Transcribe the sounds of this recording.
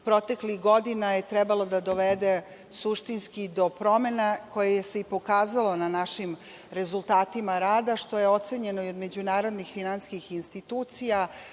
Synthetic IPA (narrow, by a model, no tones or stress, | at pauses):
pɾo̞t̪eklixɡo̞d̪inajet̪ɾɛbalˠod̪ad̪o̞ʋed̪e | suʃt̪inskid̪o̞pɾo̞me̞nako̞jejese̞ipo̞kaːzalo̞nanaʃim | ɾe̞zulˠt̪aːt̪imaɾaːd̪aʃt̪o̞jeo̞t̪seɲe̞no̞io̞d̪me̞d͡ʑunaːɾo̞d̪nixfinanskixinst̪it̪uːt̪sija